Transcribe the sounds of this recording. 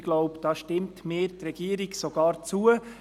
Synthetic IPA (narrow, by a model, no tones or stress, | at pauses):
ɡ̥lɔʊpd̥ɑːʃtɪmtmeːtrɛɡ̥iəɾiɡsɔɡ̥ɑːɾt͡suə